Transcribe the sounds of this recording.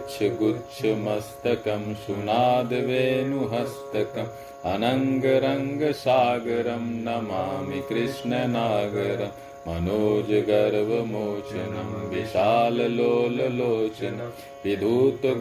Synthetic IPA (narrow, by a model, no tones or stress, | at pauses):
t͡ʃʰɐɡutːt͡ʃʰɐmɐst̪ɐkɐmsunaːd̪ɐʋeːnuɦɐst̪ɐkɐm | ɐnɐŋɡɐɾɐŋɡɐsaːɡɐɾɐmnɐmaːmikɾiʂɳɐnaːɡɐɾɐmː | ɐ̰noːd͡ʒɐɡɐɾʋɐmoːt͡ʃɐnɐmʋiʃaːlɐloːlɐloːt͡ʃɐnɐ | ʋid̪ʱuːt̪ɐ